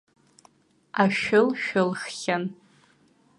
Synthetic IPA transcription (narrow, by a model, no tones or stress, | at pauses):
aʃᶣʊlʃᶣʊlxχʲan